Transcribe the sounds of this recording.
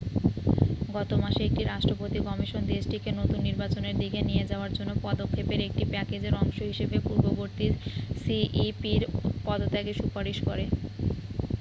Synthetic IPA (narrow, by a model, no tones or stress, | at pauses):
ɡɔt̪omaʃeek̚ʈiɾaʃʈɾopot̪ikɔmiʃond̪esʈikenot̪unːiɾbat͡ɕoneɾd̪iɡenijed͡ʑaoaɾd͡ʑonːopɔd̪okʰːepeɾek̚ʈipɛked͡ʑeɾɔŋʃoɦiʃebepuɾboboɾt̪iɾsiʔipiɾpɔd̪ot̪ɛɡeʃupaɾiʃkɔɾe